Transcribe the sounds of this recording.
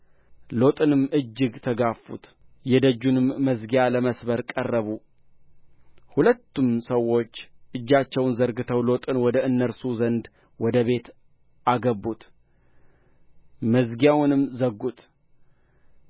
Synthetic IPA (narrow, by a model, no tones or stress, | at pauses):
lo̞t̪ʼɨnɨmʔɨd͡ʒːɨɡt̪ʰəɡafṵt̪jɛd̪əd͡ʒːunɨmːəzɡijaləməsbəɾkʼərːəβu | hulət̪ʰːumsəwːo̞t͡ʃːʔɨd͡ʒːat͡ʃːɛwnzəɾɡɨt̪ʰəwlo̞t̪ʼɨnwɔd̪əɨnːəɾsuzənd̪ | wɔd̪əβe̞t̪ | ʔaɡəbut̪ | məzɡijawnɨmzəɡːut̪